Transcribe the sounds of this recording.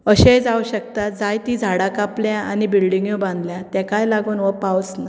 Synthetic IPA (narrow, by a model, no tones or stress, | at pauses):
əɕẽd͡zauɕək̚t̪at̪d͡zajt̪id͡zʱaɽakapljaanibilɖiŋɡjobãnd̪ljat̪jɛ̃kajlaɡuːnʋəpawt͡sna